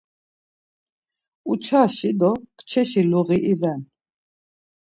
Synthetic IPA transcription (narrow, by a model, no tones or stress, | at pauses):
ut͡ʃʰaʃid̪ɔkt͡ʃʰɛʃiluɣiʔivɛn